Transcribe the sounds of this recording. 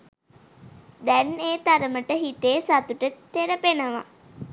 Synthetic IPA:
d̪ɛneːt̪aɾəməʈəɦit̪eːsat̪uʈət̪ːeɾəpenəʋa̰

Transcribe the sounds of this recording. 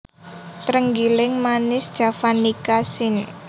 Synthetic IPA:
t̪ɾəŋɡilɪŋmanɪsd͡ʒ̥a̤fanikasɪn

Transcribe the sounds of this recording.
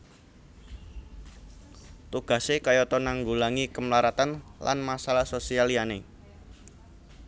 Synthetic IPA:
t̪uɡ̥a̤sekajɔt̪ɔnaŋɡulaŋikəmlaɾat̪anla̰nmasalahsosialiane

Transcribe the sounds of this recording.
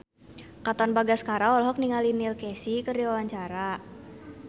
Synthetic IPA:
kat̪ɔnbaɡaskaɾaɔlɔɦɔk̚niŋalinilkɛsikərdiwawaɲt͡ʃaɾa

